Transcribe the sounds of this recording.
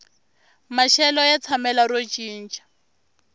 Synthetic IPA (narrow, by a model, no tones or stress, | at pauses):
maʃɛlɔjat͡sʰamɛlaɾot͡ʃʼiːn̩t͡ʃʼḁ